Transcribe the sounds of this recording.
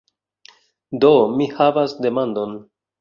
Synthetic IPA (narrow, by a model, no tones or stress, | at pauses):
do̞mihavasde̞mando̞n